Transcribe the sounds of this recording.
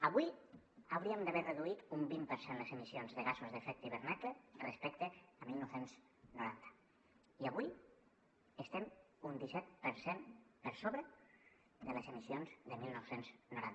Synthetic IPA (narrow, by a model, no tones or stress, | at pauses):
əβuj | awɾiəmd̪əβɛreðuit̪umbimpəɾsenləzemisionzðəɣazuzðefɛk̚t̪iβ̞əɾnɛklerespɛkt̪eəmilˠnowsenz | nuɾant̪ə̥ | iaβuj | əst̪ɛm | und̪isɛt̪̚pəɾsempəɾsoβɾə | d̪ələzemisionzðəmilˠnɔwsenznuɾant̪